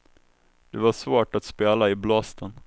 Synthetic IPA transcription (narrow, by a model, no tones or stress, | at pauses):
d̪ɛvaʂvoːʈat̪speːlaɪblɑst̪ʰən